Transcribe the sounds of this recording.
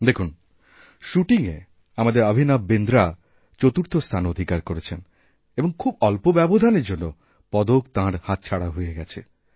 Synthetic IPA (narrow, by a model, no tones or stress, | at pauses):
d̪ekʰun | ʃuʈiŋḛ | amad̪eɾabʱinabend̪ɾa | t͡ɕot̪uɾt̪ʰost̪ʰanod̪ʱikaɾkoɾet͡ɕʰen | eboŋkʰubɔlpobɛbod̪ʱaneɾd͡ʑonːo | pɔd̪okt̪ãɾhãt̪̚t͡ɕʰaɽaɦoeɡɛt͡ɕʰḛ